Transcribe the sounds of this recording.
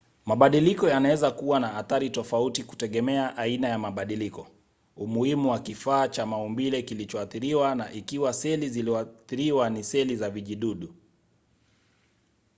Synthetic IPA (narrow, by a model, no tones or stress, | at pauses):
maɓaɗilikɔjanawɛzakuwanaːθaɾitɔfautiku̥tɛɠɛmɛaʔainajamaɓaɗilikɔ | umuhimuwakifaːt͡ʃamaumbilɛkilit͡ʃɔaθiɾiwanaʔikiwasɛliziliaθiɾiwanisɛlizaviʄiɗuɗu